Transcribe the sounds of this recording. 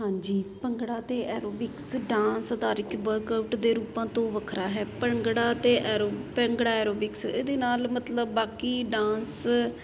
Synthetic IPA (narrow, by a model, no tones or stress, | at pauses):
ɦãːɲd͡ʒiːpəŋɡɽaːt̪eːʔɛːɾoːbɪksɖãːnsəd̪aːɾɪkbəɾkaʊʈd̪eːɾuːpãːt̪õːʋəkʰɾaːɦɛːpəŋɡɽaːt̪eːʔɛːɾoːpɛ̃ŋɡɽaːɛːɾoːbɪksḛːd̪eːnaːlmət̪ləbːaːkiːɖãːns